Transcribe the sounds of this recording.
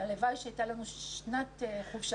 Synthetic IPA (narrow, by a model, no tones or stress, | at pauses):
alevajʃeajt̪alanuʃnateχuvʃa